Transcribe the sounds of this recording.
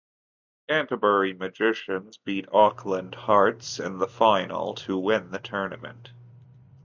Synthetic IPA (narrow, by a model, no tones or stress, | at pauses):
kʰæ̃ntəbɛ˞imɨd͡ʒɪʃɨ̃nzbiɾɔkʰlə̃ndhɑɹtsɨ̃nðəfãɪ̃nl̩ˠtʰəwɪ̃nðɨtʰɜ˞nɨmɨ̰̃nt̚